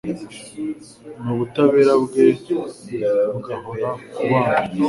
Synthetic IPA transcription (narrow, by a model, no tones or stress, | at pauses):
nuβutaβeːɾabɡeːsojaɾavuɡaɦojakuβaːna